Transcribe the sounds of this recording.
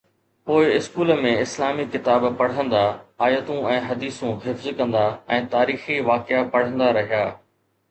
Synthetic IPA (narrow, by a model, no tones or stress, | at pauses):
poːɪɪskuːlmẽɪslaːmikɪt̪aːbpɐɽ̤ə̃nd̪aaːjət̪ũɛ̃ːɦɐd̪iːsũɦɪfzkɐ̃nd̪aɛ̃ːt̪aːɾiːxiʋaːkɪapɐɽ̤ə̃nd̪aɾɐɦijaː